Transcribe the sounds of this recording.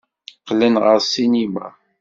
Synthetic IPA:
qːlənʁəɾsinima̰

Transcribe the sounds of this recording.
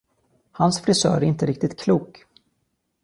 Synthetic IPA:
hansfɾɪsœ̰ːɾɛæɾɪnt̪əɾɪk̚t̪ɪt̪kʰluːk

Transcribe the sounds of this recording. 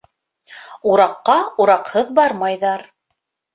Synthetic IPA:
uɾɑqːɑuɾɑqhɤðbɑɾmɑjðɑɾ

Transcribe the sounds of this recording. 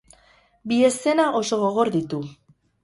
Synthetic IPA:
bie̞se̞naʔo̞so̞ɣo̞ɣ̞o̞ɾðit̪u

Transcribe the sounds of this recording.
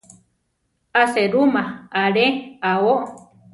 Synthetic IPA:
aseɾumãaɾeaoʔ

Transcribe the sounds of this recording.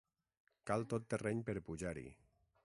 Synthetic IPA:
kalˠt̪ot̪ːerɛɲpeɾpuʒaɾḭ

